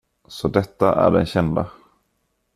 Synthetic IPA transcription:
sɔd̪ɛt̪ːaʔæ̰ɖɛ̰nɕɛnd̪a

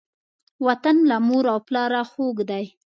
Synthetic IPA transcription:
wat̪anlamoɾawplɑɾaxoɡd̪aj

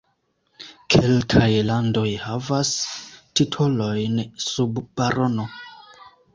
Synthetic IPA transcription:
kʰe̞lkʰajlando̞jhavastitʰo̞lo̞jnsubbaɾo̞no

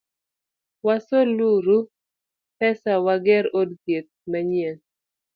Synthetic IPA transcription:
wasoluɾu | pɛsawaɡɛɾodkjet̪̚maɲjen

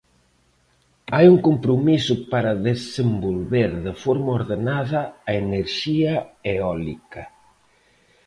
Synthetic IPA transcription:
ajuŋkompɾʊmisʊpaɾɐðesembolβeɾðefɔɾmɐoɾðenaðɐːeneɾʃiɐeɔlḭkɐ

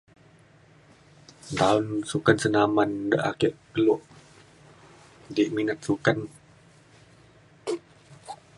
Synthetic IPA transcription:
nt̪aʊnsukansənamandəʔakiʔkəluʔ | diʔminat̪̚sukan

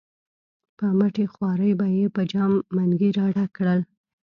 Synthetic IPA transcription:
pəmaʈexwɑɾəjbajepəd͡ʒɑmːaŋɡiɾɑɽakɽəl

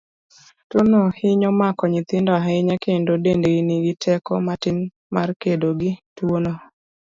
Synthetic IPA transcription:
tonohɪɲomakɔɲɪt̪ɪndɔɦɛɪɲakʰendodendeiniɡɪtʰɛkɔ̰matɪn | markedoɡɪtwono

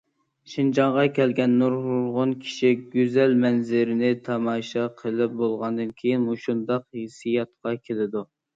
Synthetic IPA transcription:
ʃind͡ʒɑɴʁɑkʲʰɛlɡʲɛnːuɾʁʊlʁʊnkʲʰi̥ʃiɡʲyzɛlmɛnzɪɾɪnɪt̪ʰɑmɑːʃɑqʰəlˠɪp̚bolˠʁɑnd̪ɨnkʲʰejinmuʃund̪ɑqhesijɑt̪̚qɑkʲʰelɪd̪u

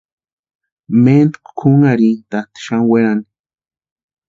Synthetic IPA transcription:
mend̪kkʰuŋaɾit̪at̪i̥ʃaŋweɾani̥

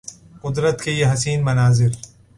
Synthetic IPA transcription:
qʊd̪ɾət̪kejeɦɐsiːnmɐnaːzɪɾ

